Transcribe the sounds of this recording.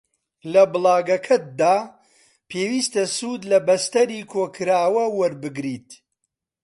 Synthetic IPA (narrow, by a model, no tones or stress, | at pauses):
lɐbɨlˠaːɡɐkʰɐt̪̚d̪aː | pʰeːwiːst̪ɐsuːd̪lɐbɐst̪ɐɾiːkʰoːkʰɨɾaːwɐwɐɾbɨɡɾiːt̪